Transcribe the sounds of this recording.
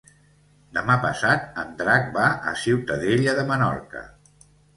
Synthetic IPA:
d̪əmapəsat̪ənd̪ɾak̚baʔə̰siwt̪əðeʎəðəmənɔ̰rkə̰

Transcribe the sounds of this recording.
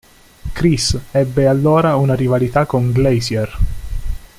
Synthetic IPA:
kɾisɛbːealːoːɾaunaɾivalit̪akːoŋɡlɛjsjɛr

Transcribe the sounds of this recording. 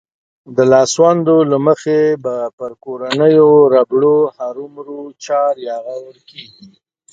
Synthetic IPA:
d̪əlɑswand̪olaməxebapəɾkoɾanəjoɾabɽohaɾumɾot͡ʃɑɾjɑɣawəɽkeɡi

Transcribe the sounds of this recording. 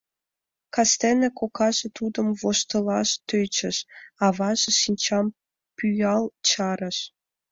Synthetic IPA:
kɑst̪enĕkokɑʒĕt̪ud̪ə̆mvoʃt̪ə̆lɑʃt̪øjt͡ɕə̆ʃɑβɑʒĕʃinʲt͡ɕɑm | pyjɑlt͡ɕɑɾə̆ʃ

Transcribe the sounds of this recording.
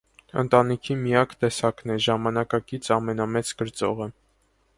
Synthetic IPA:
ə̰nt̪ɑnikʰimijɑkt̪ɛsɑknɛʒɑmɑnɑkɑkit͡sʰɑmɛn̪ɑmɛt͡skəɾt͡sɔʁə

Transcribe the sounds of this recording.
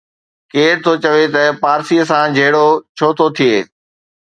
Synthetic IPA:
keːɾt̪ʰoːt͡ɕɐʋet̪ɐpaːɾsiːəsãd͡ʑʱeːɽot͡ɕʰoːt̪ʰot̪ʰieː

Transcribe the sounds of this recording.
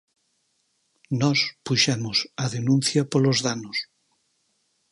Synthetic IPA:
nɔspuʃɛmʊsɐðenũn̟θjɐpolozðanʊs

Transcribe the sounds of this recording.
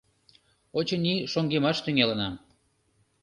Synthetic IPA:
ot͡ɕəniʃoŋɡemɑʃt̪yŋelə̆nɑm

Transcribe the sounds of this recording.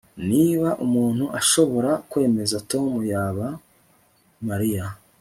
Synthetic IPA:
niːβaʔumuːn̥huʔaʃo̞βo̞ɾakwe̞ːme̞zato̞ːmujaːβa | maɾija

